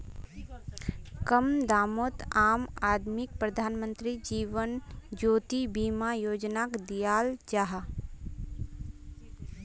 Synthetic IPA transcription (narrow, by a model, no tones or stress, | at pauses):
kəmd̪aːmoːt̪aːmaːd̪mɪk̚pɾəd̪ʱaːnmə̃nt̪ɾid͡ʒiːʋənd͡ʒoːt̪ibiːmajoːd͡ʒnakd̪ijaːld͡ʒaɦa